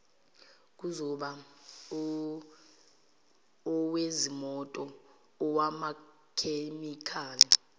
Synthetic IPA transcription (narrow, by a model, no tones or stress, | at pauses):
k̬ʼuzɔɓa | ɔwezimɔtʼɔː | wama | kʰemikʰaːli